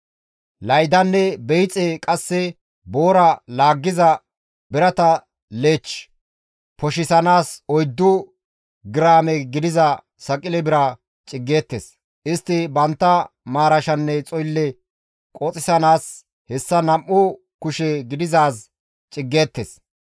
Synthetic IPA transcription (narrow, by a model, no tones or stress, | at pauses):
lɐjd̪ɐnːɛbɛjt͡sʼekʼɐsːɛ | boːɾɐlaːɡːɪzɐ | bɪɾɐt̪ɐ | le̞ːt͡ʃ | pɔʃɪsɐnaːsɔjd̪ːʊ | ɡɪɾaːmɛɡɪd̪ɪzɐ | sɐkʼɪlɛbɪɾɐ | t͡ʃʼɪɡːeːt̪ːḛs | ʔɪst̪ːɪbɐnt̪ːɐmaːɾɐʃɐnːɛt͡sʼɔjlːɛ | kʼɔt͡sʼɪsɐnaːs | hɛsːɐnɐmːʊ | kʊʃɛɡɪd̪ɪzaːs | t͡ʃʼɪɡːe̞ːt̪ːes